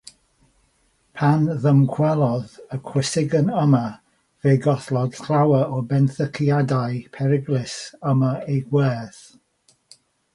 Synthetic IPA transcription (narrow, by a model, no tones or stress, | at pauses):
pʰanðəmkʰw̥ɛlˠɔðəkʰw̥ɪsɪɡənəma | veːɡɔθlˠɔd̥kʰrawəɔbɛnθəkʰijadajpʰɛɾɪɡlɪsəmaejɡwɛːθ